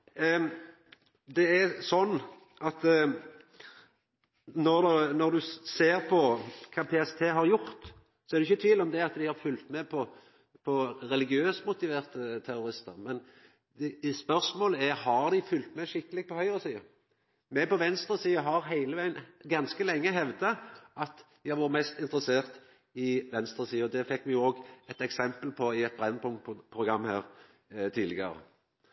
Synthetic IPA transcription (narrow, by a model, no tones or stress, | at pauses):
d̪ɛæsɔnː | ɑt̪ | nɔʁd̪nɔd̪ʉseːɾpʰɔkʰɑːpʰeːɛst̪ʰeːɦɑɾjʊɾt̪ | sɔɛɾd̪ɛɪçːət̪ʰʋiːlɔmd̪ɛɑt̪d̪ɪhɑʁfʉlt̪mɛpʰɔ | pʰɔɾɛlɪɡɪøːsmʊt̪ɪʋeːʁt̪ət̪ʰæɾʊɾɪst̪əɾmɛn | spœʁsmoːləæɾhɑʁd̪ɪfʉlt̪mɛʂɪkːəlɪɡ̚pɔhœʏʁɔsiːə | mɛpɔʋɛnst̪ɾəsiːəɦɑʁɦæɪləʋæɪənɡɑnskəlɛŋːəɦɛʋd̪ɑʔɑt̪ | æʋɑɾmɛst̪ɪnt̪ɾəseːʁt̪ | ɪʋɛnst̪ɾəsiːəɔd̪ɛfɛkːmɛjʊoːɡɛt̪ɛksɛmpəlpʰɔɪɛt̪̚bɾɛnːpʰʊŋpʰʁʊɡʁɑmːhæ̰ːʁ | t̪ʰiːd̪lɪɡə̰ɾə̰